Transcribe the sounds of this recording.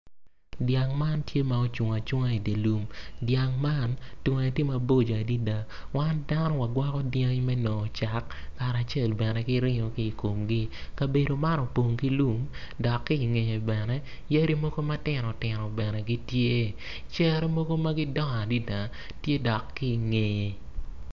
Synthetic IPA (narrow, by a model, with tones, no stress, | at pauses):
dja˨ŋma˦ntje˦ma˨o˦t͡ʃʊ˨ŋa˨t͡ʃʊ˦ŋa˦i˨de˨lu˨mdja˨ŋma˦˨ntŋa˨ti˦ma˨bo˦d͡ʒo˨a˨di˦da˨ | wa˦nda˦nɔ˦wa˨ɡwɔ˦kɔ˦dja˦ŋmɛ˦nɔ˨t͡ʃa˨kːa˨ɾa˨t͡ʃe˦˨lbɛ˨nɛ˨ɡɪ˦ɾɪ˦ɲo˨ki˦i˨ko˨mɡi˦ka˨be˨do˨ma˦ɾɔ˨po˨ŋki˦lu˦mdɔ˨kːiː˦˨ŋe˨je˨bɛ˨nɛ˦ | je˦ɾi˦mo˦ɡo˦ma˦tɪ˨nɔ˨tɪ˨nɔ˨bɛ˨nɛ˨ɡi˦tje˦ | t͡ʃɛ˦ɾɛ˦mo˦ɡo˦ma˦ɡɪ˦dɔ˦ŋa˨di˦da˨ | tje˦dɔ˨kːi˦i˨ŋe˨je˨